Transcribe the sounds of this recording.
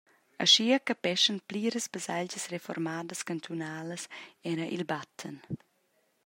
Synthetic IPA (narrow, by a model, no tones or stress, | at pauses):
əʃiəkəpɛʃənpliːɾəsbəsald͡ʒəsrefɔ̰ɾmaːdəskant̪ʰunaːləsɛɾəʔilbat̪ʰːən